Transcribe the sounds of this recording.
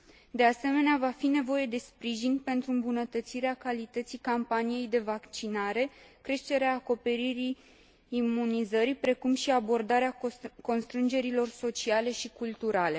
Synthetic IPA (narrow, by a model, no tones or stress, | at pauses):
d̪e̞ase̞me̞neavafine̞vo̞je̞d̪e̞spɾiʒinpe̞nt̪ɾuɨmbunət̪ət̪siɾeakalit̪ət̪sijkampanije̞jd̪e̞vakt͡ʃinaɾe̞kɾe̞ʃt̪e̞ɾeaːko̞pe̞ɾiɾiː | munizəɾipɾe̞kumʃiabo̞rd̪aɾeako̞nst̪ɾɨnd͡ʒe̞ɾilo̞rso̞t͡ʃiale̞ʃikult̪uɾale̞